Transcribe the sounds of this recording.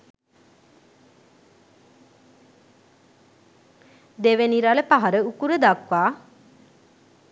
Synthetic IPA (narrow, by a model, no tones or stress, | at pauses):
d̪eʋeniɾaləpaɦaɾəukuɾəd̪akʋaː